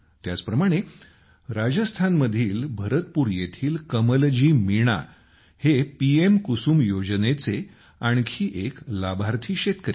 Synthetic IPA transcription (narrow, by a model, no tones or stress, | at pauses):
t̪jat͡spɾəmaɽ̃e | ɾad͡ʑəst̪ʰanməd̪ʱiːlbʱəɾət̪̚puːɾjet̪ʰiːlkəməld͡ʑiːmiɽ̃a̰ | hepiemkusuːmjod͡ʑnet͡se | aɳkʰiːʔeklabʱaɾt̪ʰiːɕet̪kəɾi